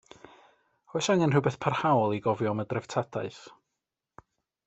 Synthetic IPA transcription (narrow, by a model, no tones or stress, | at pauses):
rojsaŋɛnrɨwbeθpʰarhawlˠiɡɔvjɔmədrɛv̥tʰadʰaɨθ